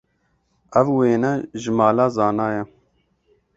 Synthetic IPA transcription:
ævweːnɛʒɪmɑːlɑːzɑːnɑːjɛ

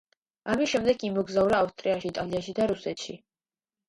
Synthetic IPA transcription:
amisʃɛmd̪ɛɡʰimɔɡzauɾaːfst̪ʼɾiaʃiːt̪ʼaliaʃid̪aɾusɛt̪ʃḭ

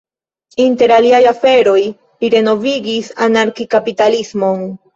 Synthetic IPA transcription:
inte̞ɾaliajafe̞ɾo̞j | liɾe̞no̞viɡisanaɾkikapitalismo̞n

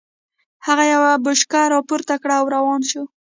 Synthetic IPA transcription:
haɣajawabʊʃkaɾɑpoɾt̪akɽaːwɾawɑnʃu

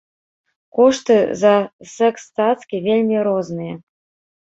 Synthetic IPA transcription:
kɔʂt̪ɨzɐsɛkst̪at̪skʲivʲelʲmʲiɾɔznɨjɐ

